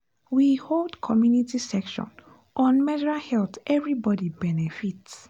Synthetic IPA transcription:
wiholdkʰɔmjunitisɛkʃɔ̰̃n | ʔɔ̃nmɛdɹahɛltʔɛvɹibɔdibɛnɛfits

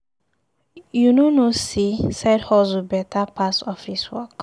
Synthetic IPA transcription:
junonosisadhɔzubɛtʰapʰasɔfiswɔk

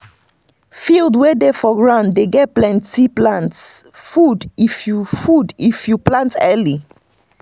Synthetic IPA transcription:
fildwedefɔɡɹãʊ̃nddeɡɛt̚plɛ̃ntiplãntsfudifjufudifjuplãntɛli

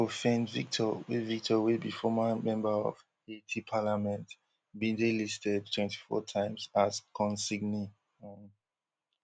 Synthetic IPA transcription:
ofɛ̃nvik̚tʰɔwevik̚tʰɔwebifɔmamɛ̃mbəɔ̰v̥ | etʰipʰalamɛ̃nt | bĩndelistɛd̚tʰw̥ɛ̃nti̥fɔ̰tʰãɪ̃mzazkʰɔ̃nsiɡni | n

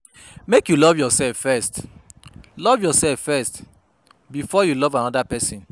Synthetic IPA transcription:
mekjulɔvjɔsɛlffɛst | lɔvjɔsɛlffɛst | bifɔjulɔvãnɔdapɛsĩn

